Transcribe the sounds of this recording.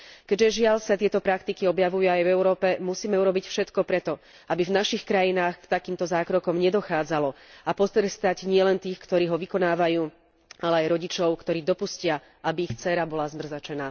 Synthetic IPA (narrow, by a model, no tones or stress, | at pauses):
kɛɟʒɛʒɪaʎsat̪ɪɛt̪ɔpɾakt̪ikiɔbjaʋujuajvɛʊɾɔːpɛmusiːmɛuɾɔbicfʃɛt̪kɔpɾɛt̪ɔ | abivnaʃixkɾajinaːxkt̪akiːmt̪ɔzaːkɾɔkɔmɲɛd̪ɔxaːd͡zalɔapɔst̪ɾɛst̪aɟɲɪɛlɛnt̪iːxkt̪ɔɾiːɦɔʋikɔnaːʋajuː | alɛajɾɔɟit͡ʃɔʊkt̪ɔɾiːd̪ɔpuscɪa | abiːxt͡sɛɾabɔlazmr̩zat͡ʃɛnaː